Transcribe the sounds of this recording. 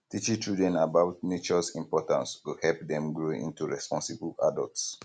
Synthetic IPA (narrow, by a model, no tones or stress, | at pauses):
tit͡ʃitɹudɛ̃nabaʊtnet͡ʃɔsĩmpɔtã̰nstuhɛlpdɛ̃mɡɹoḭ̃ntuɹɛspɔ̃nsibla̰dɔ̰lts